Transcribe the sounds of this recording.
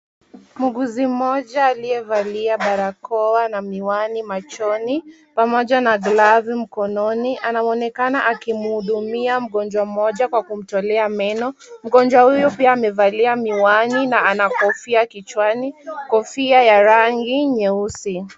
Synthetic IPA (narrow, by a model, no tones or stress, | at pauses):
muɠuzim̩m̩ɔʄaːliɛvaliaɓaɾakɔanamiwanimat͡ʃɔni | pamɔʄanaɡlavim̩kɔnɔniʔanaɔnɛkanaʔakim̩huɗumiam̩ɠɔnd͡ʒwam̩ɔʄakwakum̩tɔlɛamɛnɔm̩ɠɔnd͡ʒwahujupiaːmɛvaliamiwaninaanakɔfiakit͡ʃwanikɔfiajaɾaŋɡiɲɛusi